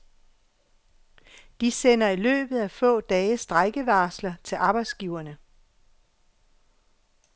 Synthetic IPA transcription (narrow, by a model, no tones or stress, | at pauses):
d̥isen̰ɐilø̰ːb̥ð̩ˠæfɔ̰̽ːd̥ɛːəsd̥ʁaɡ̥əʋɑ̈ːslɐt͡sʰe̝lʔɑ̈ːb̥ɑ̈ɪd̥sɡ̥iʊɐnə